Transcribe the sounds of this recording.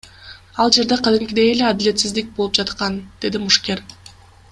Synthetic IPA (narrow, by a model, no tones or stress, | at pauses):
ɑlˠd͡ʒe̞ɾd̪e̞qʰɑd̪ɪmkʲid̪e̞jele̞ad̪ɪle̞t̪sizd̪ik̚bo̞lˠup̚d͡ʒɑt̪qɑnd̪̥e̞d̪imuʃkʲe̞ɾ